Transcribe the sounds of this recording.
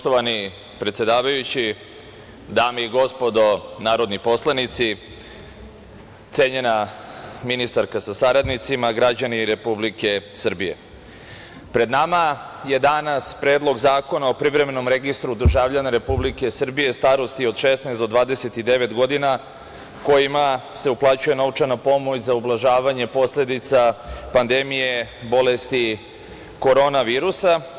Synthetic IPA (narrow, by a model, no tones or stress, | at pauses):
t̪oʋani | pɾet̪sjed̪aːʋajut͡ɕi | d̪aːmeiɡo̞spo̞d̪o̞naːɾo̞d̪nipo̞slˠanit̪si | t̪seːɲe̞naminist̪aɾkasasaɾad̪nit̪simaɡɾad͡ʑaniɾe̞publike̞sr̩bije̞̰ | pɾe̞d̪namaje̞d̪anaspɾeːd̪lˠo̞ɡzaːko̞nao̞pɾiʋɾe̞me̞no̞mɾe̞ɡist̪ɾud̪r̩ʒaʋʎanaɾe̞publike̞sr̩bije̞st̪aːɾo̞st̪io̞d̪ʃesnaesd̪o̞d̪ʋaːd̪e̞se̞t̪id̪e̞ʋe̞t̪ɡo̞d̪ina | ko̞jimase̞uplˠaːt͡ɕuje̞nout͡ʃanapo̞mo̞t͡ɕzaublˠaʒaːʋaɲe̞po̞sle̞d̪it̪sapand̪e̞mije̞bo̞le̞st̪i | ko̞ɾo̞naʋiːɾusa